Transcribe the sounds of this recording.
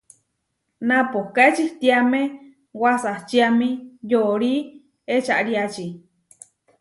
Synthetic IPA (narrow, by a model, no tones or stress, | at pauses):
nãpohkaet͡ʃiht̪iamẽ | wasaht͡ʃiamĩjoɾi | et͡ʃaʔɾiat͡ʃi